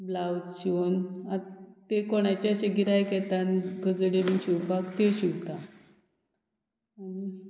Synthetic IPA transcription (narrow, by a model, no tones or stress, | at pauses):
blawd͡zɕiʋonat̪ekoɽ̃at͡ɕaəɕeɡiɾajkɛt̪anɡəd͡zɽeʋinɕiwbakt̪eɕiwt̪a | ani